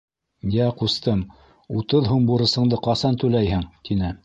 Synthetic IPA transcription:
jæqust̪ɤm | ut̪ɤðɦumbuɾɤ̆sɤ̆ɴd̪ɤqɑsɑnt̪ʉlæjhɘŋt̪inɘ

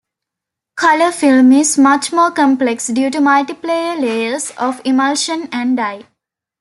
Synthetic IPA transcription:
kʰʌləfilmizmʌt͡ʃmoːkə̃mpleksɖjuːʈumalʈipleəleəɾsɔʋiməlʃə̃næ̃ɳɖɖaɪ

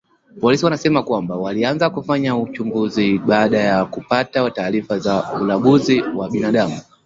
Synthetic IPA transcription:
pɔlisiwanasɛmakwambawalianzakufaɲaut͡ʃumbuziɓaːɗajakupatawataːɾifazaulaɡuziwaɓinaɗamu

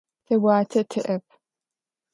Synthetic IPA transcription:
tʰɐwaːtʰɐtʰɨʔɐp̚ʰ

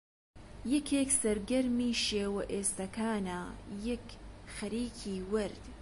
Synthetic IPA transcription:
jɛkʰeːksɐɾɡɐɾmiːʃeːwɐʔeːst̪ɐkʰaːnajɐkxɐɾiːkʰiːwɨɾd̪̥

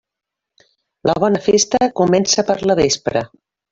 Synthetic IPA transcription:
ləβ̞ɔnəfest̪əkumɛnsəpəɾləβ̞espɾə̰

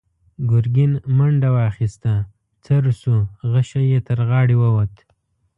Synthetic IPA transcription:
ɡʊɾɡɪnmaɳɖawɑxist̪a | t͡saɾusuɣaʃajet̪əɾɣɑɽiwəwat̪

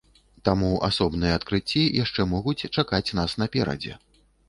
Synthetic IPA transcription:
t̪amuʔa̰sɔbn̪ɨjɛːt̪kɾɨt͡sʲːijʔaʂt͡ʂɛmɔɣut͡sʲt͡ʂakat͡sʲnasn̪ɐpʲɛɾɐ̰d͡zʲɛ̰

